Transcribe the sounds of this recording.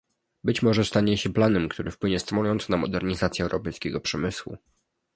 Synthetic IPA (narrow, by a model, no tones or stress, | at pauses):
bɘt͡ɕmɔʐɛst̪aɲɛɕɛplanɛmkt̪uɾɘfpwɘɲɛst̪mɔjɔnt̪snamɔd̪ɛɾɲizat̪sjɛwɾɔpɛjskʲɛɡɔpʂɛmɘswṵ